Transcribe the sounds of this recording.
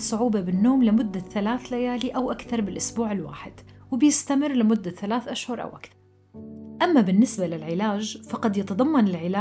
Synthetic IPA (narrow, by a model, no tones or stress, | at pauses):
sˤʊʕuːbabɪnːoːmlɪmʊd̪ːaθalaːθlajaːliʔawʔakθɑɾˤbɪlʔʊsbuːʕɪlwa̰ːħɪd̪̥wɪbjɪst̪amɪrlɪmʊd̪ːaθalaːθʔaʃhʊɾˤʔa̰wʔakθɑɾˤ | ʔamːabɪnːɪsbalɪlʕɪlaːd͡ʒfɑqɑd̪jɪt̪ɑd̪ˤɑmːɑnɪlʕɪlaː